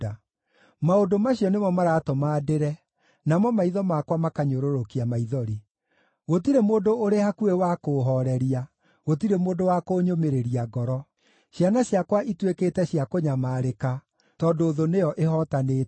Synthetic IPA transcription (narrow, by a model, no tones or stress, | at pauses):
a | maodomaɕiɔnemɔmaɾaːtɔmaːdeɾɛ | namɔmaiðɔmakwamakaɲoɾoɾokiamaiðɔɾi | ɣotiɾemoːndoːɾehakuewakoɦɔɾɛɾia | ɣot̬iɾemoːndowakoːɲomeɾeɾiaɡɔɾɔ | ɕjanaɕjakwaʔitwekeːtɛɕijakoɲamaːɾeka | tɔdoːðonejɔʔeɦɔtane